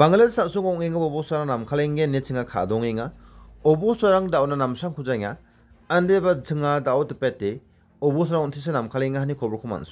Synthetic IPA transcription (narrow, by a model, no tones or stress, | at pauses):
baŋlelsasuŋɔŋeŋabɔbɔsaɾaŋnamkʰaleŋɡenːet͡ʃʰɯŋakʰa̰dɔŋeŋaɔbɔsaɾaŋdawnanamsaŋkʰuzajŋaː | ndebat͡ʃʰɯŋadawtɯpetːe | ɔbɔsaɾaŋɔntʰis̬enamkʰaleŋaɦanikʰɔbɾɔkʰɔma̰nsu̥